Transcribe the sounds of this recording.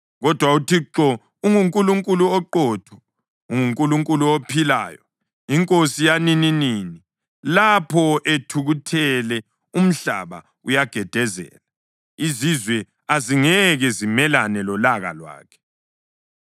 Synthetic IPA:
ɣɔd̥ʱwautʰiǁɔ | uŋuŋkʼuluŋkʼuluɔǃɔːtʰɔ̥ | uŋuŋkʼuluŋkʼuluopʰila̰ːjɔ̰ | iŋkʼosijanininiːni | lapʰɔʔetʰuɣutʰɛlɛ | um̩ɬa̰βa̰ | ujaɡ̥ʱɛd̥ʱɛzɛ̰ːla | izizwɛ | aziŋɛɣɛzimɛlanɛlɔlaɣa̰lwa̰ːkʰɛ̥

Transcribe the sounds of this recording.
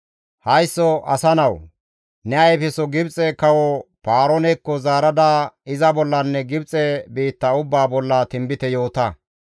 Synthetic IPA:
hɐjsːɔʔɐsɐnɐw | nɛɐjfɛsɔɡɪbt͡sʼɛkɐwɔpaːɾɔnɛkːɔzaːɾɐd̪aːɪzɐbɔlːɐnːɛɡɪbt͡sʼɛbiːt̪ːɐʊbːaːbɔlːɐt̪ɪmbɪt̪ɛjo̞ːt̪ɐ

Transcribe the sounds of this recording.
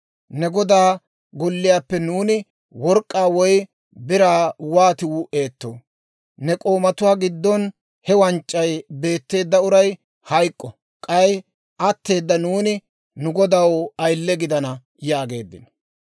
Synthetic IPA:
nɛɡɔd̪aː | ɡɔlːɪjaːpːɛnuːnɪ | wɔɾkʼːaːwɔj | bɪɾaːwaːt̪ɪwʊʔe̞ːt̪ːo̰ː | nɛkʼo̞ːmɐt̪ʊwaːɡɪd̪ːɔn | hɛwɐnt͡ʃʼːɐjbe̞ːt̪ːe̞ːd̪ːɐʊɾɐj | hɐjkʼːɔ | kʼɐj | ʔɐt̪ːe̞ːd̪ːɐnuːnɪ | nʊɡɔd̪ɐwɐjlːɛɡɪd̪ɐnɐ | jaːɡe̞̰ːd̪ːɪ̰nɔ̥

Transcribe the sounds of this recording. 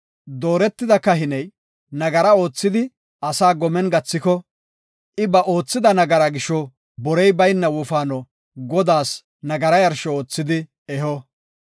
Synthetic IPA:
d̪o̞ːɾɛt̪ːɪd̪ɐkːɐɦɪnɛj | nɐɡɐɾɐo̞ːt͡sːɪd̪ɪ | ɐsaːɡɔmɛnɡɐt͡sːɪkɔ | ʔɪbɐʔo̞ːt͡sːɪd̪ɐnɐɡɐɾɐɡɪʃɔ | bɔɾɛjbɐjnːɐwʊfaːnɔ | ɡɔd̪aːs | nɐɡɐɾɐjɐɾʃɔoːt͡sːɪd̪ɪ | ɛɦɔ

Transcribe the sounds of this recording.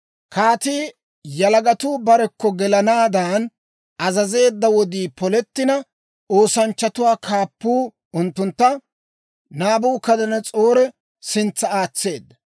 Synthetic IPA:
kʰaːt̪iː | jɐlɐɡɐt̪uːbɐɾɛkːɔɡɛlɐnaːd̪aːn | ɐzɐze̞ːd̪ːɐwɔd̪iːpɔlɛt̪ːɪnɐ | oːsɐnt͡ʃːɐt̪ʊwaːkʰaːpːuː | ʊnt̪ːʊnt̪ːɐ | naːbuːkɐd̪ɐnɐt͡sʼoːɾɛ | sɪnt͡sːɐaːt͡sːe̞ːd̪ːɐ

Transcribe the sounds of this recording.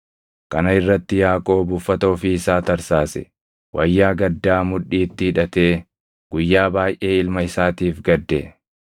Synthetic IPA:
kɐnɐɪrːɐt̪ːɪjaːkʼo̞ːbʊfːɐt̪ɐɔfiɪsaːt̪ɐɾsaːsɛ̰ | wʔɐjːaːɡɐd̪ːaːmʊᶑiːt̪ːɪhɪᶑɐt̪eː | ɡ̥ʊjːaːbaːjʔe̞ːɪlmɐɪsaːt̪iːfɡɐd̪ːɛ

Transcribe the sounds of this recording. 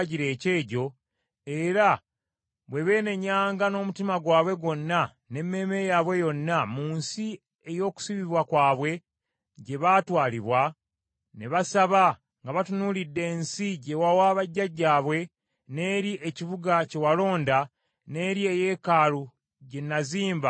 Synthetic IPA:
ɟiɾe̞ːce̞ːɟo̞ | e̞ɾa | βwe̞βe̞ːne̞ɲaːŋɡano̞ːmutimaɡwaːβwe̞ɡo̞nːa | ne̞mːe̞ːme̞jaβwe̞jo̞nːamuːnsi | e̞jo̞ːku̥siβiβwakwaːβwe̞ | ɟe̞βaːtwaːliβwa | neβasaβa | ŋɡaβatunuːlidːe̞ːnsiɟe̞wawaːβaɟːaɟːaːβwe̞ | ne̞ːɾiʔe̞ciβuɡace̞walo̞ːnda | ne̞ːɾie̞je̞ːkaːɾu | ɟe̞nːaziːmba

